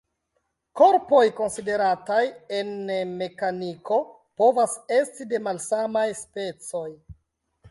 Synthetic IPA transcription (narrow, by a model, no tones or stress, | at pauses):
ko̞ɾpo̞jko̞nside̞ɾataje̞nme̞kaniko̞ | po̞vase̞stide̞malsamajspe̞t͡so̞j